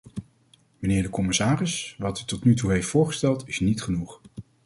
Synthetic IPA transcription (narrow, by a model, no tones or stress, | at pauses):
mənɪːɹdəkɔmɪsaːrɪsʋɑtytɔtnytuɦejftfʊːɹχə̥stɛlˠtɪsnitχənuχ